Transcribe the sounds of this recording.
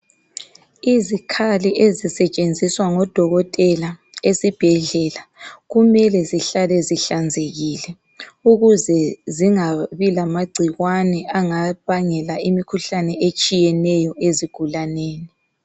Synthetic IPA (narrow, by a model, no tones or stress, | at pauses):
izikʰaliʔezisɛt͡ʃʼend͡zʱiswaŋɔd̥ʱɔɣɔtʼɛla | esib̥ʱɛɮɛlaɣumɛlɛziɬalɛziɬand͡zʱeɣilɛ | uɣuzɛziŋaβilamaɡ͡ǀʱiɣwanɛaŋaβaŋɛlaimikʰuɬanɛʔet͡ʃʼijɛnɛjɔeziɡ̥ʱulaneːni